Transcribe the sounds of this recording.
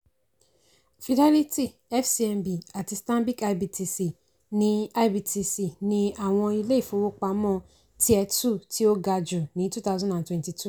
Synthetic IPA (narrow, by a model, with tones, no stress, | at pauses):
fi˨dɛ˦li˦ti˦ | ɛ˦fsi˨ɛ˨mbi˨a˨ti˨stã˦bi˦ka˨˦bi˨tʰi˧si˨ | nĩ˦a˦bi˨ti˧si˨nĩ˦a˨w̃ɔ̃˧i˧le˦i˨fõ˨˦wo˦k͡pa˨˦mɔ̃˦˨ | ti˦ɛ˦tu˦˨ti˦o˦ɡa˧d͡ʒʊ˨nĩ˨˦tu˦ta˦ʊ˦zɔ̃˦ndã˨ntwɛ̃˨nti˨tʰu˦˨